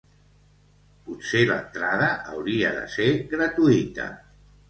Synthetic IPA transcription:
puselə̰nt̪ɾaðəʔːwɾiə̰ðə̰seɣɾət̪uit̪ə̰

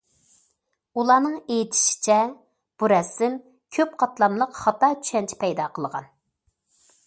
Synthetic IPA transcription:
ulˠɑːnɨŋejit̪ʰɪ̥ʃi̥t͡ʃʰɛ | b̥uɾɛsɪm | kʲʰøp̚qʰɑt̪lˠɑmlˠəqχɑt̪ɑt͡ʃ̪ʰy̥ʃɛnt͡ʃʰɛ̥pʰɛjd̪ɑqʰəlˠəʁɑ̰n

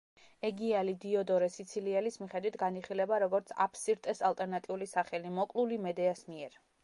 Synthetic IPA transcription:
ɛɡialid̪iɔd̪ɔɾɛsit̪sʰiliɛlismiχɛd̪wit̪ʰɡaniχilɛbaɾɔɡɔɾt̪sʰa̰pʰsiɾt̪ʼɛsalt̪ʼɛɾnat̪ʼiulisaχɛlimɔkʼlˠulimɛd̪ɛasmiɛɾ

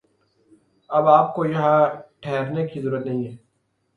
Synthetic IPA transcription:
ɐbaːp̚kojɐɦãʈʰɛɦɾnekizɐɾuːɾət̪nɐɦĩɦɛː

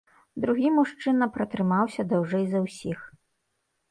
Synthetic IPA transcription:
d̪ɾuɣʲimuʂt͡ʂɨnɐpɾɐt̪ɾɨmawsʲɐd̪awʐɛjzɐwsʲix

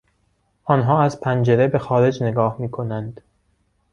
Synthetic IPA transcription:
ʔɒːnɦɒːæzpʰænd͡ʒe̞ɾebe̞xɒːɾe̞d͡ʒne̞ɡɒːhmiːkʰo̞nænd̪̥

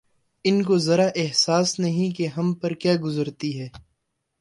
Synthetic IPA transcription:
ɪnk̬ozɐɾaʔɛɦsaːsnɐɦĩkeɦɐmpɐɾkjaːɡʊzəɾt̪iɦɛː

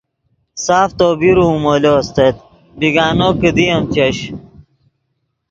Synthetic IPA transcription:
saːft̪oːbiɾumolost̪et̪̚ | biɡaːnoːkəd̪iɐmt͡ɕɐɕ

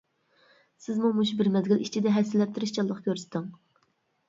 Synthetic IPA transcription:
sɪzmumuʃbɪɾmɛd̪ɡʲilit͡ʃʰid̪ɛɦɛsɪlːɛp̚t̪ʰɪɾɪʃt͡ʃʰɑlˠːəqkʲʰøɾst̪ɪŋ

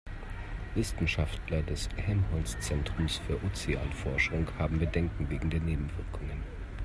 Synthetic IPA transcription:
vɪstn̩ʃaftlɐdɛshɛmhɔlst͡sɛntʁ̥ʊmsfyːɐʔot͡sia̰ːlfɔɐʃʊŋhaːbm̩bədɛŋkŋ̩veːɡŋ̩deːɐneːbm̩v̥ɪɐkʰʊŋən

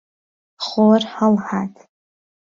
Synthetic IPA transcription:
χorħalħatʼʰ

